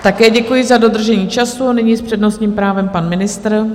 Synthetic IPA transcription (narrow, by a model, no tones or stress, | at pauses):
t̪akɛːɟɛkujɪzado̞d̪r̩ʒɛɲiːt͡ʃasuanɪɲiːspr̥ɛdno̞sɲiːmpɾaːvɛmpanmɪnɪst̪r̩